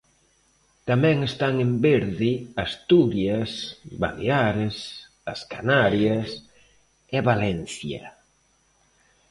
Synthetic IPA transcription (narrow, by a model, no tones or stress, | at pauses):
t̪amɛ̃ŋest̪aŋembeɾðiast̪uɾjasba̰leaɾes | askanaɾjas | eβalɛnθja̰